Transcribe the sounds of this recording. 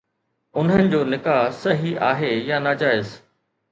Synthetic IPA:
ʊn̤ɦənɪ̆d͡ʑoːnɪkaːɦsɐɦiʔaːɦejanaːd͡ʑaːɪz

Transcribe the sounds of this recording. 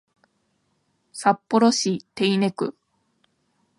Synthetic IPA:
sapːo̞ɾo̞ɕit̪e̞ine̞kɯ̟

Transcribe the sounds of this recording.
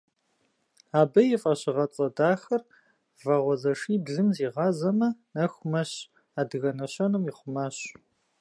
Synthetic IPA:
aːbɐjɪfʼɐɕɪʁɐt͡sʼɐdaːxɐr | vɐʁʷɔzɐʂiːbɮɨmziːʁɑːzɐmɐnɐxʷʊmɐɕ | aːdɨɣɐnɐɕɐnɨmiχʷʊmaːɕ

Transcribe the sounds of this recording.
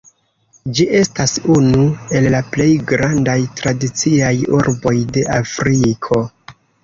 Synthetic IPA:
d͡ʒiʔe̞stasunue̞lːaple̞jɡɾandajtɾadit͡siajuɾbo̞jde̞ʔafɾikʰo̞

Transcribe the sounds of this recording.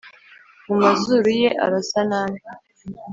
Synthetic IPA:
mumazuɾuje̞ʔa̰ɾasanaːni

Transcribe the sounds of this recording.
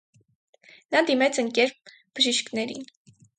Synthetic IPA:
nɑd̪imɛt͡sʰəŋkɛɾp̚ | b̥əʒiʃkʰnɛɾin

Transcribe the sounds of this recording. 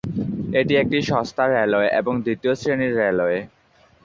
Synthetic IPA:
eʈiek̚ʈiʃɔst̪ʰaɾɛlɔeʔḛboŋd̪it̪iosɾeniɾːɛlɔe

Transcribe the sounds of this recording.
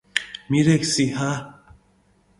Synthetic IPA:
miɾeksiɦa

